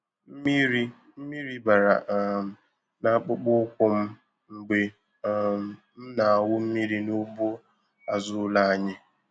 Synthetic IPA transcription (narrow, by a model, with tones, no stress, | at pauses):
m̩˦mi˦ɾi˦ | m̩˦mi˦ɾi˦ba˨ɾa̰˨ʔ̩˨ | na˦k͡pʊ˦k͡pʊ˦kʷʊ˦m̩˦ | ŋ͡m̩˨ɡ͡be˨ | m̩˦na˨a˨wʊ˦m̩˦mi˦ɾi˦nʊ˦bʊ˦ | a˨zʊ˦la˦a˦ɲɪ˦